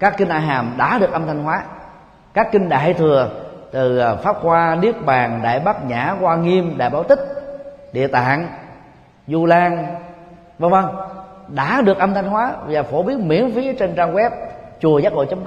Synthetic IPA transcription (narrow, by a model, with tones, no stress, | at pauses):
kaː˦˥kːi˧ŋ̟ʔaː˧˩jɦaː˨˩mɗa̰ː˧˥ɗɨ˨˩ək̚ʔə˧mt̪ʰa˧jŋ̟hwaː˨˦ | kaː˦˥kːï˧ŋ̟ɗa̰ː˧˩˨jt̪ʰɨ˨˩ət̪ɨ˨˩faː˦˥p̚xwaː˧ɗi˦˥ək̚ɓaː˨˩ŋɗa̰ː˧˨jɓaː˦˥t̚ɲaː˧˩kwaː˧ŋi˧mɗa̰ː˧˩jɓaː˧˦wt̪ï˦˥k̟̚ɗḭ˧˨ət̪a̰ː˧˨n | zu˧laː˧ŋ | və˧˩ŋvə˧ŋɗa̰ː˧˥ɗɨ˨˩ək̚ʔə˧mt̪ʰa˧jŋ̟ɦwaː˨˦vaː˨˩fo˧˩ɓi˨˦˥ənmḭ˧˥ənfi˨˦ət͡ɕe˧nt͡ɕaː˧ŋɣwɛ˦˥p̚t͡ɕu˨˩əzaː˦˥t̚ho̰˧˨jt͡ɕə˨˦ŋ͡m